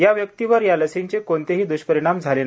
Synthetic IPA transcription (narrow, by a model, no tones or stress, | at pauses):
jaʋjək̚t̪iʋəɾjaləsint͡ɕekont̪eɦiːd̪uɕpəɾiɽ̃amd͡zʱalen